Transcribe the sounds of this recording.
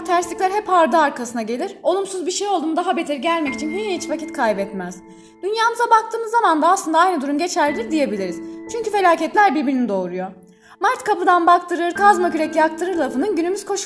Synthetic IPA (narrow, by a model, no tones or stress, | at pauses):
t̪ʰæɾslʲiclʲæɾɦɛpaɾd̪ɯaɾkʰasɯnaɟe̞lʲiɾo̞lˠumsuzbiʃejo̞lˠd̪uːmd̪aɦabet̪ʰɛɾɟælʲmɛci̥t͡ʃʰinɦihit͡ʃvacʰit̪kʰajbɛt̪mæz̥ | d̪̥ynjaːmɯzabakt̪ʰɯːmɯzːamand̪aːslˠɯnd̪aajnɯd̪uɾumɟe̞t͡ʃʰæɾd̪ʲiɾd̪ije̞bilʲiɾiz̥t͡ʃʰyɲcyfe̞lʲaːcɛt̪lʲæɾbiɾbiɾinid̪o̞ːɾujo̞ | maɾt̪kʰapɯd̪anbakt̪ʰɯɾɯɾkʰazmakʰyɾɛcijak̚t̪ʰɯɾɯɾlˠafɯnɯnɟynymyz̥kʰo̞ʃ